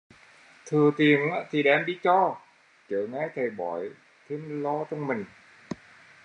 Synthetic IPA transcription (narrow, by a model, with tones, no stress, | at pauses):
t̪ʰɨ˨˩ət̪i˨˩əŋʔa̰ː˧˥t̪ʰi˨˩ɗɛː˨˧mɗi˧t͡ɕɔ˧ | t͡ɕəː˨˦ŋaː˨˥jt̪ʰə˨˩jɓɔ̰˨˩˦j | t̪ʰe˨˧˥mlɔ˧t͡ɕ̪ɔ˧ŋ͡mmï˨˩ŋ̟